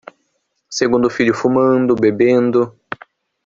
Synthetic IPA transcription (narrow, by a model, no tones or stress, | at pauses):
seɡũnd̪ʊfiʎʊfumɐ̃nd̪ʊbebẽnd̪ʊ